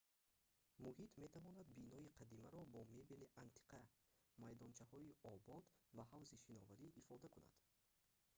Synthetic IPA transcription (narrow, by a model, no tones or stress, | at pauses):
muhit̪ʰme̞t̪ʰavɔnad̪binɔiqʰad̪imaɾɔbɔme̞beliʔant̪ʰi̥qʰa | majd̪ɔnt͡ʃʰahɔiɔbɔd̪vahavziʃinɔvaɾiʔːfɔd̪akuna̰d̪̥